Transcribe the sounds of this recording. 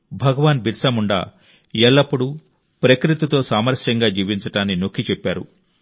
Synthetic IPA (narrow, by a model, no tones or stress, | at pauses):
bʱɐɡɐʋaːnbiɾsɐmuɳɖa̰ː | ɛɭːɐpːuɽu | pɾɐkɾit̪it̪o̞ːsaːmɐɾʂjɐŋɡaːd͡ʒiːʋiɲt͡ʃɐʈaːnːino̞kʰːit͡ʃɛpːaːɾṵ